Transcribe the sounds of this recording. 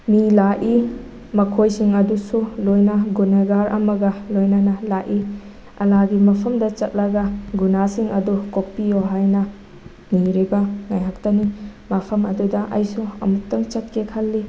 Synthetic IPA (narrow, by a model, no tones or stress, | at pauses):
milaʔi | mɐkʰojsiŋɐdusulojnɐɡunɐɡaɾɐ̰mɐɡɐlojnɐnɐlaʔi | ɐ̰laɡimɐpʰɐmdɐt͡ʃɐt̚lɐɡɐɡunasiŋʔɐdukok̚pijoɦajnɐ | niɾibɐŋajɦak̚tɐnimɐpʰɐmɐdudɐʔɐ̰jsuɐ̰mutːɐmt͡ʃɐt̚kekʰɐlːi